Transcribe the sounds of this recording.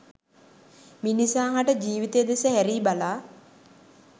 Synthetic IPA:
minisaːɦaʈəd͡ʒiːʋit̪ejd̪esəɦæɾiːbalaː

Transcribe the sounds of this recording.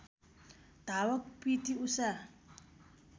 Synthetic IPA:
d̪̥ʱawakpitiusa

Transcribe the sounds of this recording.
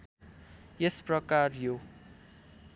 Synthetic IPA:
jesprʌkarjo

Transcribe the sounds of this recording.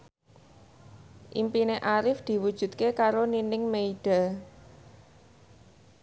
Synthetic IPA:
ʔḭmpineʔaɾɪfd̪̥i̤wud̥ʒ̥ṳt̪̚kekaɾoninɪŋmeiɖ̥a

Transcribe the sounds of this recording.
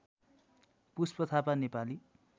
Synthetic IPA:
puspʌt̪ʰapanepali

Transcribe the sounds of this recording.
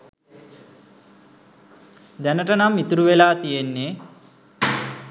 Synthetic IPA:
d̪ænəʈənamːit̪uɾuʋelaːt̪ijenːe

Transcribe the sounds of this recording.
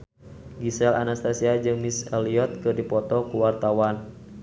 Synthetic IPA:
ɡisɛla̰nast̪asiad͡ʒɨŋmisɛliɔt̪̚kɨrdipɔt̪ɔkuwart̪awan

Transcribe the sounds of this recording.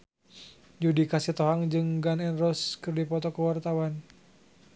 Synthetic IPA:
d͡ʒudikasit̪ɔɦaŋd͡ʒɨŋɡanɛnrɔskɨrdipɔt̪ɔkəwart̪awan

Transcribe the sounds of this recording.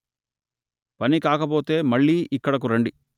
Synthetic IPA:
pɐnikaːkɐpo̞ːt̪e̞ːmɐɭːiːʔikːɐɽɐk̬uɾɐɳɖi

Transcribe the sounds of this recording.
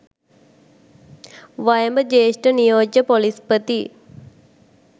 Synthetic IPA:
ʋajəmbəd͡ʒeːsʈənijoːd͡ʒəpolispət̪i

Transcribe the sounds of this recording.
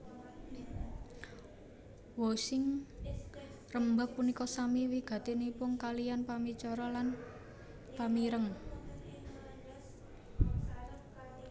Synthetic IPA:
woʃɪŋ | rəmbapunikɔsamiwiɡ̥ä̤t̪enipʊŋkalijanpamit͡ʃɔɾɔlan | pamiɾəŋ

